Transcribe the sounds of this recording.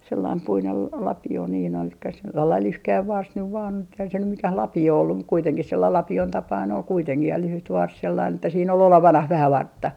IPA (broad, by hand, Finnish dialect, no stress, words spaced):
selːɑim puinel lɑ lɑpio niːn ol selːɑil lyhkæiʋ ʋɑrs nyʋ ʋɑːn eihæn se nym mikæh lɑpio olːum mut kuiteŋkih selːɑil lɑpion tɑpɑin ol kuiteŋkih jɑ lyhyt ʋɑrs selːɑin etːæ siːn ol oleʋɑnɑh ʋæhæ ʋɑrtːɑ